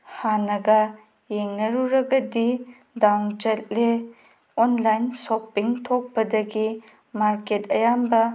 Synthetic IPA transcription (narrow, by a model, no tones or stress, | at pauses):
hanɐɡɐ | jeŋnɐɾuɾɐɡɐdi | dawnd͡ʒɐt̚le | ɔnlajnsopːiŋtʰok̚pɐdɐɡi | maɾketɐjambɐ